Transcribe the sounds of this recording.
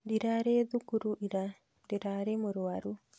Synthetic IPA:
diɾaɾeðukuɾuʔiɾa | diɾaɾemuɾɔwaɾu

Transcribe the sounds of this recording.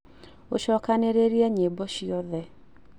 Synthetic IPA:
oʃɔːkaneɾeɾiɛɲebɔʃiɔðɛ

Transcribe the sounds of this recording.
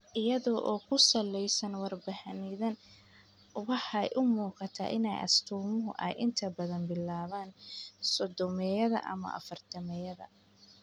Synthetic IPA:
ʔɪjɐðɔʔɔːkʰʊsɐlːɛjsɐnwɑrbɐhɐnɪðɐn | wɑħjʔʊmuːqɑt̪ʰa̰ːʔɪnɛjʔɐ̰st̪ʰuːmʊɦʊʔɛ̰jʔɪnt̪ʰɐbɐðɐnbɪlaːβaːnsɔd̪ɔmɛjɐðɐ̰ʔɐ̰mɐ̰ʔɐ̰fɐrt̪ʰɐmɛjɐðɐ̰

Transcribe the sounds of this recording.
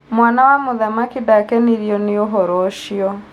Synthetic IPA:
mwaːnawamʊðamakidakɛniɾjɔnioɦɔɾɔʃiɔ

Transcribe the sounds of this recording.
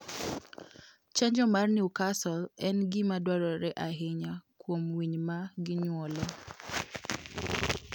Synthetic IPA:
t͡ʃaɲd͡ʒɔmarnɪukasɔlɛnɡɪmadwaɾɔɾɛʔaɦɪɲakwomwiɲmaɡɪɲwɔlɔ

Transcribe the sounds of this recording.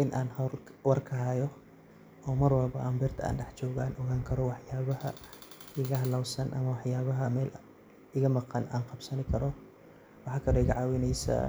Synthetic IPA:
ʔɪnʔaːnhɐlwɐrkʰɐɦaːjɔ | ʔɔːmɐrwɐlbɐʔɐmbɛrt̪ʰɐa̰ːnɖɛħt͡ʃɔːɣaːnʔɔɣaːŋkʰɐɾɔwɑħjaːβɐhɐ̰ | ɪɣɐɦɐlɐwsɐnʔɐ̰mɐwɑħjaːβɐɦɐmɛːl | ɪɣɐmɑqɑnʔaːnqɑbsɐnɪkʰɐɾɔ | wɑħɑkʰɐlɔɪɣɐʕɑːwɪnɛjsɐ̰

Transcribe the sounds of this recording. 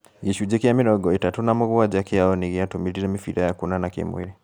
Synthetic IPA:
ɣiʃud͡ʒɛkiamiɾɔɡɔitatunamuɣwad͡ʒakiaɔniɣiatumiliɾɛmifiɾajakunanakḭmwḭɾi

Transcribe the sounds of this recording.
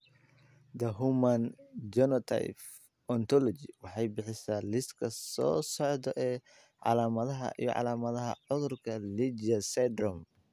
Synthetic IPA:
d̪ɐɦumand͡ʒɔnɔt̪ʰa̰jf | ɔnt̪ʰɔlɔd͡ʒiwɑħɑjbɪħɪsaːlɪskʰɐsɔːsɔʕd̪ɔʔɛː | ʕɑ̰laːmɐðɐɦɐ̰ʔḭjɔ̰ʕɑ̰laːmɐðɐɦɐ̰ʕʊðʊrkʰɐlid͡ʒɐsɛd̪rɔm

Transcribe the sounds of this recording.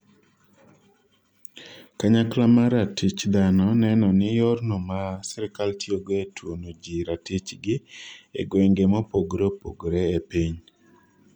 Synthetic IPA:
kaɲaklamaɾatit͡ʃd̪anɔnɛnɔnɪjɔrnomasɛɾɪkaltioɡoetwonod͡ʒiɾatit͡ʃɡɪḛɡweŋɡemopoɡɾepoɡɾeepiɲ

